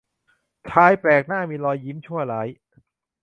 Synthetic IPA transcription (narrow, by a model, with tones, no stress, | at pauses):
kʰaː˧jpɾɛː˨˩k̚naː˥˩miː˧lɔː˧jːi˦˥mt͡ɕʰu˥˩ɐlaː˩˦˥j